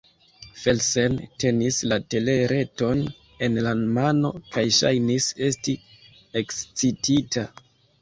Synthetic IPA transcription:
fe̞lsente̞nislate̞le̞ɾe̞to̞n | e̞nlanmano̞kʰajʃa̰jnise̞sti | e̞kst͡sititʰa

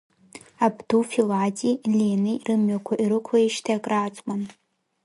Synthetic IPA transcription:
abdufilatʼilʲenɨirʔɨmɥakʷʰaʔiɾɨkʷʰaiʃtʰaakʼraːt͡sʼman

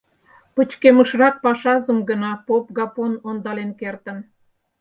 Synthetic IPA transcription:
pət͡ɕkeməʃrɑk̚pɑʃɑzəmɡənɑpop̚ɡɑponond̪ɑlenkert̪ən

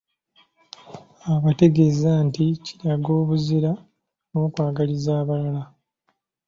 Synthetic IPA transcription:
aβate̞ɡe̞ːzantici̥ɾaɡo̞ːβuziɾa | no̞ːkwaːɡalizaːβalala

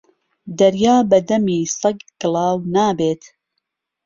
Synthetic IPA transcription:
d̪ɐɾjaːbɐd̪ɐmiːsɐɡɡ̥ɨlˠɑːwnaːbeːt̪

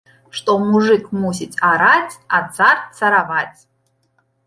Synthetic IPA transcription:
ʂt̪ʼomuʐɨkʰʼmusitʲʰʼaɾatʰʲat͡sʰart͡sʰaɾavatʲʰ

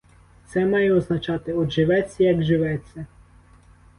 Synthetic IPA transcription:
t̪sɛmɑjɛɔznɐt͡ʃɑt̪ɪɔd̪ʒɪʋɛt͡sʲːɐjɐɡʒɪʋɛt͡sʲːɐ

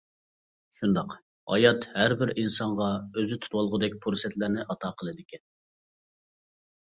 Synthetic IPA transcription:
ʃund̪ɑq | ɑ̰jɑt̪hæɾbɪɾinsɑɴʁɑøzɪt̪ʰu̥t̪wɑlˠʁəd̪ɛk̚ʲpʰuɾsɛt̪læɾnɪʔɑt̪ʰɑːqʰəlˠɨd̪ɪkʲɛn

